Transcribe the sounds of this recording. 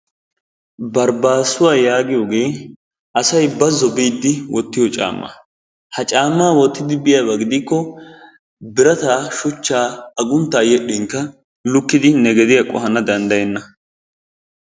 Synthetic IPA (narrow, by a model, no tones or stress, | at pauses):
bɐɾbaːsʊwaːjaːɡɪjo̞ːɡe̞ː | ʔɐsɐjbɐzɔbiːd̪ːɪwɔt̪ːɪjɔt͡ʃʼa̰ːmːɐ̰ | hɐt͡ʃʼaːmːaːwɔt̪ːɪd̪ɪbɪjɐbɐɡɪd̪ɪkːɔ | bɪɾɐt̪aːʃʊt͡ʃːaːɐɡʊnt̪ːaːjɛɗɪŋkːɐ | lʊkːɪd̪ɪnɛɡɛd̪ɪjɐkʼɔ̰hɐnɐd̪ɐnd̪ɐjɛnːɐ